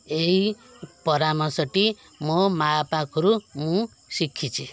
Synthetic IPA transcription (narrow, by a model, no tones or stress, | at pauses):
ei | pʌɾamʌsʌʈi | momapakʌɾumũ | sikʰːit͡sʰi